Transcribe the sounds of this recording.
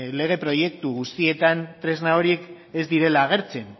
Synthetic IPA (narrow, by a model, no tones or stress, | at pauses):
le̞ɣ̞e̞pɾo̞je̞k̚t̪uɣust̪ie̞t̪ant̪ɾe̞znao̞ɾie̞k | ezd̪iɾe̞laːɣ̞e̞ɾt͡se̞n